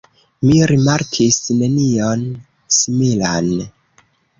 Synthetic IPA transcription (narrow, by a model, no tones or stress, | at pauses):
miɾimaɾkʰisne̞nio̞n | simila̰n